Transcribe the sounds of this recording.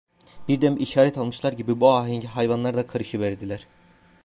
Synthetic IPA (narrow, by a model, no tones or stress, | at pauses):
b̥iɾd̪æmiʃaːɾɛt̪ʰalˠmɯʃlˠaɾɟibibuaːɦiɲɟiɦajvanlˠaɾd̪akʰaɾɯʃɯvæɾd̪ilʲæɾ̥